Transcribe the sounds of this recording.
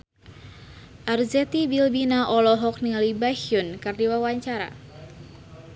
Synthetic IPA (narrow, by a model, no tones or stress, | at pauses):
ʔarzɛt̪ibilbinaʔɔlɔɦɔk̚nilibahiunkardiwawaɲt͡ʃaɾa̰